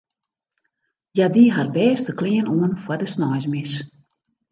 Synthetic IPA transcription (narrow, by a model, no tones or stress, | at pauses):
jadiɦarbɛːstəklɪənoənfwadəsnɔjzmɪs